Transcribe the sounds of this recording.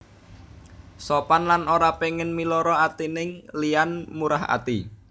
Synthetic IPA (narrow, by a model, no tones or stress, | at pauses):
sɔpanlanoɾapeŋɪnmilɔɾɔat̪inɪŋlianmuɾaɦa̰t̪i